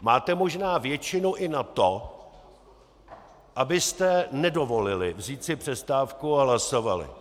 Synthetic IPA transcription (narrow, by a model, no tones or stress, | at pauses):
maːt̪ɛmo̞ʒnaːvjɛt͡ʃɪnuʔɪnat̪o | ʔabɪst̪ɛnɛdo̞vo̞lɪlɪ̰vziːt̪t͡sɪpr̥ɛst̪aːfkuaɦlaso̞valɪ̰